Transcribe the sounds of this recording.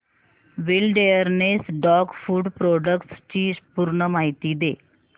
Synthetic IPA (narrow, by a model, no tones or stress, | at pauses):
ʋilɖejəɾnesɖɔɡfuːɖpɾɔɖəkʈst͡ɕiːpuɾɳəmaɦit̪iːd̪e